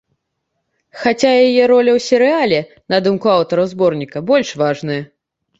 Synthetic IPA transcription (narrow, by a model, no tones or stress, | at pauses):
xat͡sʲajajɛɾɔlʲɐwsʲɛɾɨalʲɛ | nɐd̪umkuawt̪ɐɾɐwzbɔrnʲikɐbɔlʲʂvaʐnɨjɐ